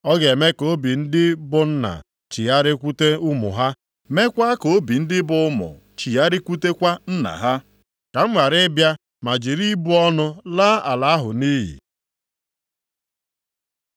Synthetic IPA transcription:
ɔ˦ɡe˨me˦ko˦bi˨n̩˦dɪ˦bʊ˨n̩˦na̰˨ | t͡ʃi˨a˦ɾɪ˦kʷu˦te˦u˦mʊ̰˨ɦa˦ | me˦kʷa˦ko˨o˦bi˨n̩˦dɪ˦bʊ˦mʊ̰˨ | t͡ʃi˨a˦ɾɪ˦kʷu˦te˦kʷa˦n̩˦na̰˨ɦa˦ | ka˨m̩˦ma˨ɾɪ˦bja˦ | ma˨d͡ʒi˨ɾi˦bu˦ɔ˦nʊ˦la˦a˨la˨a˦ɦʊ˨niː˦ɦḭ˨

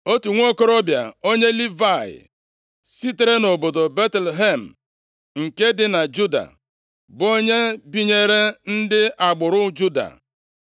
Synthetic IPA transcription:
o˦tu˨ŋʷo˦ko˦ɾɔ˦bja˨o˦ɲe˦li˦va˦˨ɪ̰˨ | si˦te˦ɾe˦no˨bo˨do˨be˦tle˨ɦe˦˨m̩˨ | ŋ̩˨ke˦dɪ˨na˨d͡ʒu˦da̰˨ | bo˦ɲe˦bi˦ɲe˦ɾe˦n̩˦dɪ˦ʔa˨ɡ͡bʊ˨ɾʊ˦d͡ʒu˦da̰˨

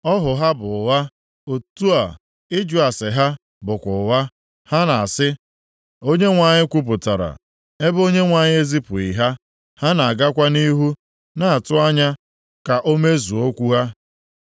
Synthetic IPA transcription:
ɔ˦ɦʊ˨ɦa˦bʊ˨wa˦ | o˨tu˦a˨ | ɪ˦d͡ʒʊ˨a˨sɪ˨ɦa˦ | bʊ˨kʷʊ˨wa˦ | ha˦na˨a˨sɪ˦ | o˦ɲe˦ŋʷa˨ɲɪ˦kʷu˦p̬ʊ˨ta˨ɾa̰˨ | e˦bo˦ɲe˦ŋʷa˨ɲɪ˦e˦zi˦pʊ˨i˨ɦa˦ | ha˦na˨a˨ɡa˦kʷa˦ni˦ɦu˦ | na˨a˨tʊ˦a˦ɲa˦ | ka˨ʔo˦me˦zu˨o˦kʷu˦ɦa˦

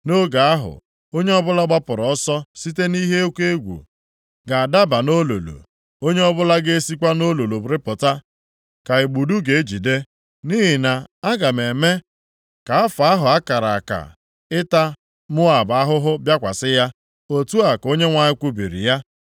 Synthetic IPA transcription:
no˦ɡa˨a˦ɦʊ̰˨ | o˦ɲe˦ɔ˦bʊ˦la˦ɡ͡ba˦pʊ˨ɾɔ˨ɔ˦sɔ˦si˦te˦ni˦ɦe˦o˦kʷe˦ɡʷṵ˨ | ɡa˨a˨da˦ba˨no˦lo̰˨lo̰˨ | o˦ɲe˦ɔ˦bʊ˦la˦ɡe˦e˦si˦kʷa˦no˦lo˨lo˨bɾɪ˦pʊ˨ta˦ | ka˨ɪ˨ɡ͡bu˨du˦ɡe˨e˦d͡ʒi˨de˦ | ni˦ɦi˨na˨a˦ɡa˨me˨me˦ | ka˨a˦fɦʊ˨a˦ka˨ɾa̰˨ka̰˨ | ɪ˦ta˦ | mʊ˦a˨ba˦ɦʊ˦ɦʊ˦bja˦kʷa˨sɪ˦ja˦ | o˨tu˦a˨ko˦ɲe˦ŋʷa˨ɲɪ˦kʷu˦bḭ˨ɾḭ˨ja˦

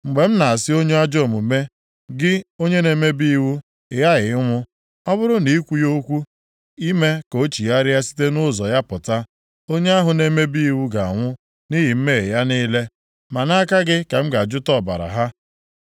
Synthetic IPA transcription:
ŋ͡m̩˨ɡ͡be˨m̩˦na˨a˨sɪ˦o˦ɲe˦a˦d͡ʒo˦˨mu˨me˦ | ɡɪ˦o˦ɲe˦ne˨˦me˦bi˦i˦wu˦˨ | ja˦ɣɪ˨ɪ˦ŋʷʊ˦ | ɔ˦βʊ˦ɾʊ˦ni˨i˦kʷu˦jo˦kʷu˦ | i˦me˦ko˨˦t͡ʃi˨ja˦ɾɪ˦a˦si̥˦te˦nʊ˦˨zɔ̰˨ja˦pʊ˨ta˦ | o˦ɲe˦a˦ɦʊ˨ne˦me˦bi˦i˦wu˦ɡa˨ŋʷʊ˦ | ni˦ɦi˨m̩˦me˦e˨ja˦ni˦le˦ | ma˨na˦ka˦ɡɪ˦ke˨m̩˦ɡa˨d͡ʒʊ˦tɔ˦˨ba̰˨ɾa̰˨ɦa˦

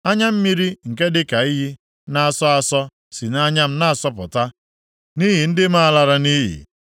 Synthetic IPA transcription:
a˦ɲa˦m̩˦mi˦ɾi˦ŋ̩˨ke˦dɪ˦ka˨i˦ɦi˦ | na˦a˨sɔ˦a˨sɔ˦ | si˨na˦ɲa˦m̩˦na˦a˨sɔ˦pʊ̰˨ta˦ | ni˦ɦi˨n̩˦dɪ˦ma˦a˦la˨ɾa˨ni˦ɦḭ˨

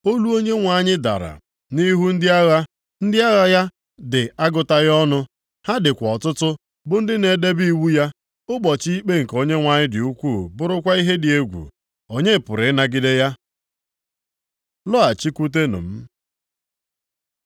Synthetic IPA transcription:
o˦lu˦o˦ɲe˦ŋʷa˨ɲɪ˦da̰˨ɾa̰˨ | ni˦ɦu˦n̩˦dɪ˦a˦ɣa˦ | n̩˦dɪ˦a˦ɣa˦ja˦ | dɪ˨a˦ɡʊ˨ta˦ɣɔ˦nʊ˦ | ha˦dɪ˨kʷɔ˨tʊ˦tʊ˦ | bʊ˦n̩˦dɪ˦ne˨de˦bi˦i˦wu˦ja˦ | ʊ˦ɡ͡bɔ˨t͡ʃi˦i˦k͡pe˦ŋ̩˨ko˦ɲe˦ŋʷa˨ɲɪ˦dɪ˨u˦kʷu˦˨bʊ˦ɾʊ˦kʷa˦i˦ɦe˦dɪ˨e˦ɡʷṵ˨ | o˨ɲe˦˨pʊ˨ɾɪ˨˦na˦ɡɪ˦de˦ja˦ | lɔ˦a˨t͡ʃi˦kʷu˦t̬e˦nʊ̰˨m̩˦

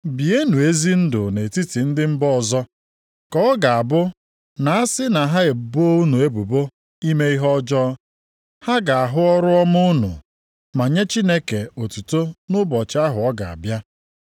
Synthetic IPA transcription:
bi˨e˦nu˨e˦zi˦n̩˦dʊ˨ne˨ti˦ti˨n̩˦dɪ˦m̩˦bɔ˦ɔ˨zɔ˦ | kɔ˦ɔ˦ɡa˨a˨bʊ˦ | na˨a˦sɪ˦na˨ɦa˦e˨bu˦nu˨e˦bu˨bo˦ | i˦me˦i˦ɦɔ˦d͡ʒɔ˦ | ha˦ɡa˨a˨ɦʊ˦ɔ˦ɾʊ˦ɔ˦mʊ˦nʊ̰˨ | ma˨ɲe˦t͡ʃi˦ne˦ke˨o˨tu˨to˦nʊ˦bɔ˨t͡ʃa˦ɦʊ˨ɔ˦ɡa˨a̰˨bja˦

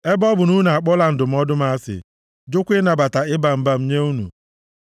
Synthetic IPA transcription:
e˦bɔ˦bʊ˨nu˦na˨a˨k͡pɔ˦la˨n̩˨dʊ˨m̩˨˦ɔ˦dʊ˦ma˦sɪ̰˨ | d͡ʒʊ˦kʷɪ˦na˨ba˨ta˨ɪ˦ba˨m̩˨ba˨m̩˦ɲe˦u˦nṵ˨

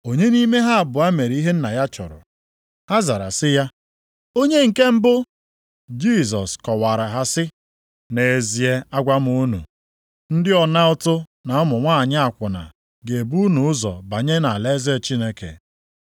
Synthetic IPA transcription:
o˨ɲe˦ni˦me˦ɦa˦a˨bʊ˨a˦me˨ɾi˦ɦe˦n̩˦na˨ja˦t͡ʃɔ̰˨ɾʊ̰˨ | ha˦za˨ɾa̰˨sɪ˦ja˦ | o˦ɲe˦ŋ̩˨ke˦m̩˦bʊ˦ | d͡ʒi˦˨z̬ɔ˨skɔ˨wa˨ɾa˨ɦa˦sɪ˦ | ne˨e˨zi˨e˦a˦ɡʷa˦m˦u˦nṵ˨ | n̩˦dɪ˦ɔ˨na˦ɔ˦tʊ˦na˨ɔ˦mʊ˨ŋʷa˦˨ɲa˦a˨kʷʊ˨na̰˨ | ɡe˨e˨bu˦nu˨ʊ˦zɔ̰˨ba˨ɲe˦na˨le˦ze˦˨t͡ʃi˦ne˦kḛ˨

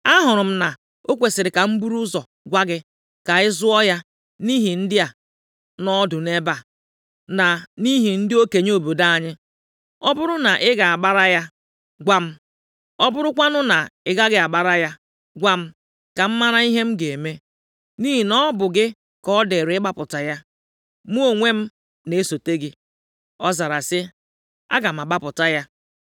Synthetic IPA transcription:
a˦ɦʊ˨ɾʊ˨m̩˦na˨ | o˦kʷe˨sɪ˨ɾɪ˨ka˨m̩˦bu˦ɾu˦zɔ˨ | ɡʷa˦ɡɪ˦ | ka˨ɪ˦zʊ˦ɔ˦ja˦ | ni˦ɦi˨n̩˦dɪ˦a˨ | nɔ˦dʊ˨ne˦ba˨ | na˨ni˦ɦi˨n̩˦dɪ˦o˦ke˨ɲ˦o˨bo˨da˦a˨ɲɪ˦ | ɔ˦bʊ˦ɾʊ˦na˨ʔɪ˦ɡa˨a˨ɡ͡ba˦ɾa˦ja˦ | ɡʷa˦m̩˦ | ɔ˦bʊ˦ɾʊ˦kʷa˦nʊ˦na˨ɪ˦ɡa˦ɡɪ˦a˨ɡ͡ba˨ɾa˦ja˦ | ɡʷa˦m̩˦ | ka˨m̩˦ma˦ɾa˦i˦ɦe˦m̩˦ɡe˨e˨me˦ | niː˦ɦi˨nɔ˦bʊ˨ɡɪ˦ | kɔ˦de˨ɾɪ˦ɡ͡ba˦pʊ˨ta˨ja˦ | mu˦o˨ŋʷe˦m̩˦ | ne˨˦so˨te˦ɡɪ˦ | ɔ˦za˨ɾa˨sɪ˦ | a̰˦ɡa˨m̩˨a˨ɡ͡ba˦pʊ˨ta˦ja˦

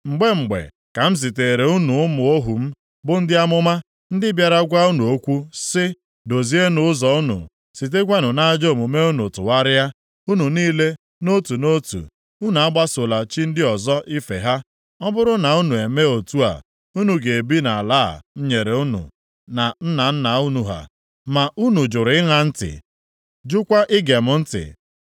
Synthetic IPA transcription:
ŋ͡m̩˨ɡ͡be˦ŋ͡m̩˨ɡ͡bḛ˨ | ka˨m̩˦s̬i˨te˨ɾe˨u˦nu˨ʊ˦mʊ˨o˦ɦu˨m̩˦ | bʊ˦n̩˦dɪ˦a˦mʊ˦ma˦ | n̩˦dɪ˦bja˨ɾa˦ɡʷa˦u˦nu˨o˦kʷu˦sɪ˦ | do˨zi˦e˦nʊ˨ʊ˦zɔ˨u˦nṵ˨ | si˨t̬e˦kʷa˦nʊ˨na˦d͡ʒo˦˨mu˨me˦u˦nu˨tʊ˨wa˦ɾɪ˦ja˦ | u˦nu˨niː˦le˦ | no˦tu˨no˦tṵ˨ | u˦nu˨a˦ɡ͡ba˦sʊ˨la˨t͡ʃi˦n̩˦dɪ˦ɔ˨zɔ˦ʔɪ˦fe˨ɦa˦ | ɔ˦bʊ˦ɾʊ˦na˨u˦nu˨e˨me˦o˨tu˦a̰˨ | u˦nu˨ɡe˨bi˦na˨a˨laː˦˨n̩˦ɲe˨ɾe˨u˦nṵ˨ | na˨n̩˦na˨n̩˦na˨u˦nu˨ɦa̰˨ | ma˨ʔu˦nu˨d͡ʒʊ˨ɾɪ˨˦ɪ˦ŋa˦n̩˦tɪ̰˨ | d͡ʒʊ˦kʷa˦ʔɪ˦ɡe˨mʊ˨˦n̩˦tɪ̰˨

